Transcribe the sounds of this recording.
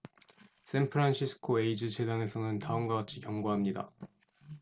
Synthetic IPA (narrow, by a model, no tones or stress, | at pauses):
s͈ʰenpʰɯɾanɕʰisʰɯ̥kʰoe̞id͡ʑɯt͡ɕʰe̞daŋe̞sʰʌnɯntaɯmɡaɡat͡ɕʰikjʌŋɡuɦamɲida̰